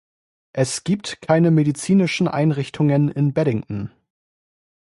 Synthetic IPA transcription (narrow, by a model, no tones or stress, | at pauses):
ʔɛsɡ̥iːp̚tkʰaɪnəmedit͡siːnɪʃn̩ʔa̰ɪnʁɪçtʰʊŋənɪnbɛɾɪŋʔn̩